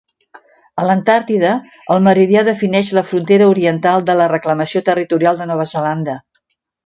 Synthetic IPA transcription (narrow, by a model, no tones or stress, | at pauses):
ələnt̪aɾt̪iðəː | lˠməɾiðiaðəfinɛʃləfɾunt̪eɾəuɾiənt̪alˠd̪ələrəkləməsiot̪ərit̪uɾialˠd̪ənɔβəzəland̪ə